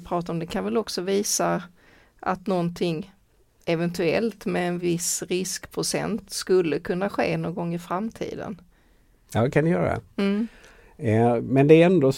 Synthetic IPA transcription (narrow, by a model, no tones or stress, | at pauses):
pʰɾɑːt̪aɾɔmd̪ɛkʰanvɛlɔksɔviːsa | ʔat̪nɔnt̪ʰɪŋː | ɛvɛnt̪ʰɵɛ̰lt̪mɛːnvɪsɾɪskpʰɾʊsɛ̰nt̪skɵlːəkʰɵnːaɧḛːnoːnɡɔŋːɪfɾamt̪ʰḭːd̪ə̰n | jɑːkʰand̪ɪjœːɾa̰d̪ɛ̰m̩ː | mɛnd̪ɛɾɛnd̪o